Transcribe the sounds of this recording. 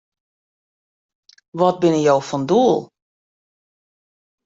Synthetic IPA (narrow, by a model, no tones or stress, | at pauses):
ʋɔt̚bɪnəjowfɔnduːlˠ